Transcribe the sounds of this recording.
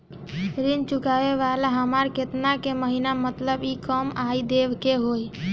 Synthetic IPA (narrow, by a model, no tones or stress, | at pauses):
ɾint͡ʃʊkaʋeʋalaɦəmaɾket̪nakeməɦinamət̪ləbikəmaid̪eʋkeɦoj